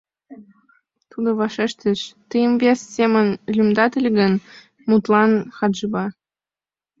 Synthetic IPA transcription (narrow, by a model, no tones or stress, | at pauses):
t̪ud̪ŏβɑʃeʃt̪ə̆ʃt̪əjəmvʲessemə̆nlʲymd̪ɑt̪ə̆lʲɡə̆n | mut̪lɑnxɑd̪ʒə̆bɑ